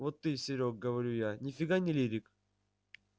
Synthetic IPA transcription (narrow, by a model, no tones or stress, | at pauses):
vot̪ːɨsʲɪɾʲok̚ɡəvɐɾʲujanʲɪfʲɪɡanʲɪlʲiɾʲɪk